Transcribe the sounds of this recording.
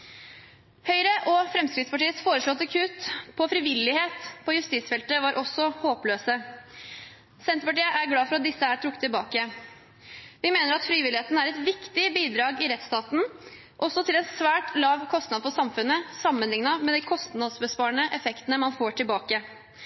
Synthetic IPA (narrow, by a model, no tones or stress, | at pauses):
hœʏɾəʔɔfɾɛmskɾɪt̪spɑʈiːət̪sfoːɾəʂɭɔt̪ːɑkʰʉːt̪pʰɔfɾɪʋɪlːɪheːt̪pʰɔjʉst̪iːsfɛlt̪əʋɑːɾʔɔsːɔhoːpløːsə | sɛnt̪əpɑʈiːəʔæɾɡlɑːfɔɾɑt̪̚d̪ɪsːəæʈʰɾʊk̚ːt̪ʰːɪlbɑːkə | ʋɪmeːnəɾɑt̪fɾiːʋɪlɪheːt̪n̩æɾɛt̪ʋɪkt̪ɪbiːd̪ɾɑːɡɪɾɛt̪st̪ɑːt̪n̩ | ʔɔsːɔt̪ʰɪlɛnsʋæːʈlɑːʋkʰɔst̪nɑd̪fɔsɑmfʉnːəsɑmːənlɪŋnɑmɛd̪ɪkʰɔst̪nɑd̪sbəspɑːɳəʔɛfɛkt̪ənəmɑnfoːʈʰɪlbɑːkə